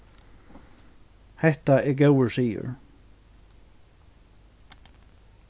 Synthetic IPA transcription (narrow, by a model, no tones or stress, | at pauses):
hɛht̪aɛɾɡoːwʏɾsiːjʏ̰ɾ̥